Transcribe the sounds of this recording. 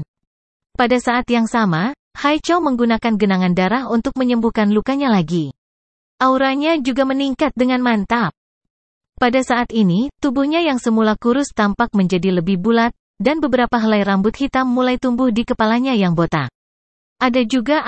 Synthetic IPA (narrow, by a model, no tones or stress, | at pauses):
padasaʔat̪jaŋsama | hajt͡ʃawməŋɡunakanɡənaŋandaɾaɦunt̪ʊk̚məɲəmbuhkanlukaɲalaɡi | ʔauɾaɲad͡ʒuɡaməniŋkat̪̚dəŋanmant̪ap̚ | padasaʔːt̪init̪ubuhɲajaŋsəmulakuɾʊst̪ampak̚məɲd͡ʒadiləbɪhbulat̪̚ | danbəbəɾapaɦəlajrambʊt̪hit̪amːulajt̪umbʊhdikəpalaɲajaŋbot̪a̰ | ʔadad͡ʒuɡa